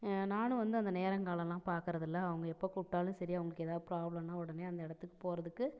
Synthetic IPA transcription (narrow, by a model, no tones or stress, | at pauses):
naːnɯ̃ʋɐnd̪ɯɐnd̪ɐneːɾɐŋkaːlɐ̃lãːpaːɾkɯɾɐðɪlːɐɐʋɐŋɡɐɛpːokuʈːaːlɯ̃sɐɾijaɐʋɐŋɡɐɭɯkːɛeːðaːðɯpɾaːblɐmnaːʊɽɐneːɐnd̪ɐɪɽɐt̪ːɯkːɯ̥poːɾɐðɯkːɯ